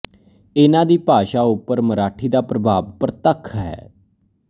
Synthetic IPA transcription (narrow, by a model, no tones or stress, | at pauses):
ɪnãːd̪iːpaːʃaːʊpːəɾməɾaːʈʰiːd̪aːpɾəbʱaːʋpəɾt̪əkʰːɦɛ̰ː